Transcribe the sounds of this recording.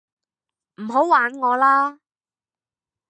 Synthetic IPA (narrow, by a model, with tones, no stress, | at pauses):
m̩˨˩ɦo˨˥wwaː˨˥nŋɔː˨˧laː˥